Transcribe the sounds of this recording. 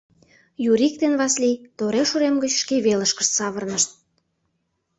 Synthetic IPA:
juɾik̚t̪enβɑslit̪oɾeʃuɾemɡət͡ɕʃkeβeləʃkə̥̆ʃt̪sɑβərnəʃt̪̚

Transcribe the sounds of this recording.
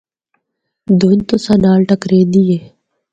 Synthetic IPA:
d̪oːnt̪osanaːlʈəkɾeːd̪ijeː

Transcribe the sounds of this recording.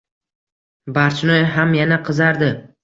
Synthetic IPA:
baɾt͡ʃʰnɒjɦamjanaqʰɨzaɾd̪ɪ

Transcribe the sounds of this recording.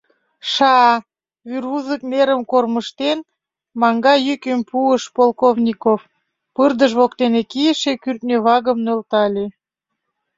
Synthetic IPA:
ʃɑɑ | βyruzəkneɾəmkorməʃt̪en | mɑŋɡɑjykømpuəʃpolˠkovnʲikof | pərd̪əʃβokt̪enekijəʃekyrt̪nʲøβɑɣəmnølt̪ɑlʲe

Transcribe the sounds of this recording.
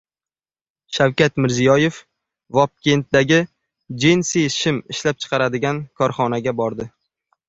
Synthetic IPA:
ʃawkʲat̪mɪɾzijɒje̞f | vɒp̚kʲe̞nt̪̚d̪aɡʲɪ | d͡ʒensiʃɪmɪʃlap̚t͡ʃʰɨ̥qɑɾad̪ɪɡʲankʰɒɾχɒnaɡʲabɒɾd̪ɪ

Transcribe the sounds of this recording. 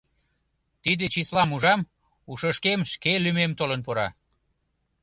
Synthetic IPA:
t̪id̪et͡ɕislɑmuʒɑm | uʃəʃkemʃkelymemt̪olənpoɾɑ̰

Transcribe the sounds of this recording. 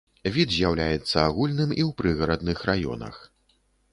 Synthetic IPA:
vʲid̪zʲjawlʲajɛt̪sːɐaɣulʲnɨmiwpɾɨɣɐɾɐd̪nɨxrajɔ̰nɐ̰x

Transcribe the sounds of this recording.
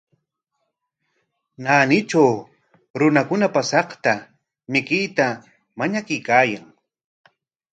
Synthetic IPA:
naːnɪt͡ʃaw | ɾʊnakʊnapasɑχt̪a | mɪkɪjt̪a | maɲakʊjkaːjaŋ

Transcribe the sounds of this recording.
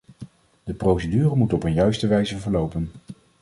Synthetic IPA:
d̥əprowsədyːrəmutɔpənjœɥstəʋɛjzəvəɹlowpən

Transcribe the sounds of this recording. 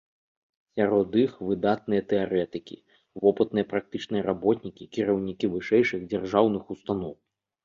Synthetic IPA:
sʲaɾɔd̪ɨxvɨd̪at̪̚nɨjɐt̪ɛaɾɛt̪ɨkʲḭ | vɔpɨt̪nɨjɐpɾak̚t̪ɨt͡ʂnɨjɐɾabɔt̪ʲnʲikʲikʲiɾɐwnʲikʲivɨʂɛjʂɨɣd͡zʲarʐawnɨxust̪anɔw

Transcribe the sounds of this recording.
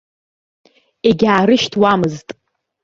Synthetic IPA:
eɡʲaːɾɨʃtʰwamɨztʼ

